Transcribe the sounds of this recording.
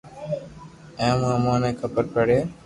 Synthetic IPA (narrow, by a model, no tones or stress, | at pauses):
ẽmũːəmãːnẽːkʰəpəɾpəɽeː